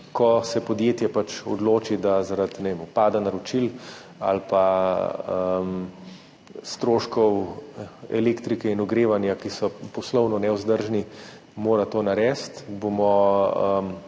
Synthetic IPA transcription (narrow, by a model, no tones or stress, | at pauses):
kɔsɛpɔd̪jeːt̪jɛpat͡ʃɔ̰d̪loːt͡ʃid̪azaɾad̪nɛʋemʊpaːd̪anaɾɔt͡ʃil | a̰lpa | əm | st̪ɾoːʃkɔw | ɛ̰leːkt̪ɾikɛinuɡɾeːʋanjakisɔpɔslɔwnɔnɛʊzd̪əɾʒni | moːɾat̪oːnaɾɛːst̪bomɔəm